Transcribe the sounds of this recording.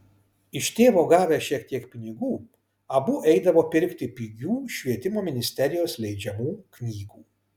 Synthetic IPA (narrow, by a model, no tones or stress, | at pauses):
ɪʃt̪ʲeːʋoːɡɑːʋʲæʃʲiɛkt̪ʲiɛkpʲɪnʲɪɡuː | ɐbʊʔɛɪd̪ɐʋoːpʲɪɾʲkt̪ʲɪpʲiɡʲuːʃʲʋʲiɛt̪ʲɪmoːmʲɪnʲɪsʲt̪ʲɛɾʲɪjoːslʲɛɪd͡ʒʲɛmuːknʲiːɡuː